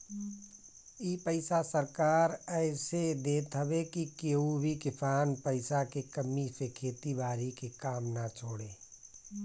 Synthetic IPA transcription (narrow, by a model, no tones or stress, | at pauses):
iːpəɪsasəɾkaːɾɛːɪsed̪eːt̪ɦəbekikeːubʱikɪpʰaːnpəɪsakekəmːisekʰeːt̪ibaːɾikekaːmnat͡ʃʰoːɽeː